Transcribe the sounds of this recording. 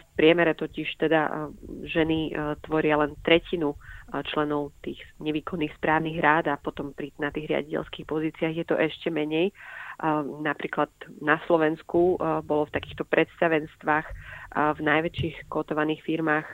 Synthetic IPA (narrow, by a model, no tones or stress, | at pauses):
fpɾɪɛmɛɾɛt̪ɔciʃt̪ɛd̪a̰ʒɛnit̪ʋɔɾɪalɛnt̪ɾɛcinut͡ʃlɛnɔʊt̪iːxɲɛʋiːkɔnːiːxspɾaːʊniɣɾaːd̪apɔt̪ɔmpɾinat̪iːɣɾɪa̰ɟicɛ̰lskixpɔziːt͡siaɣjɛt̪ɔʔɛʃcɛmɛɲɛj | napɾiːklad̪naslɔʋɛnskubɔlɔft̪akiːxt̪ɔpɾʔɛt̪st̪aʋɛnst̪ʋaːxvnajʋɛt͡ʃiːxkɔt̪ɔʋaniːxfiɾmaːx